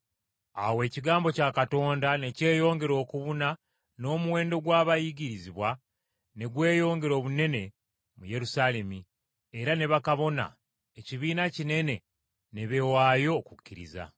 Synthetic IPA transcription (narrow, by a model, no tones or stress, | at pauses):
a̰we̞ːciɡaːmbo̞caːkato̞ːndane̞ce̞ːjo̞ːŋɡe̞ɾo̞ːkuβuna | no̞ːmuwe̞ːndo̞ɡwaːβajiɟiɾiziβwa | ne̞ɡwe̞ːjo̞ːŋɡe̞ɾo̞ːβune̞ne̞ | muje̞ɾusale̞mi | eɾane̞βakaβo̞na̰ | eciβiːnacine̞ne̞ | neβe̞waːjo̞kukʲːiɾḭza̰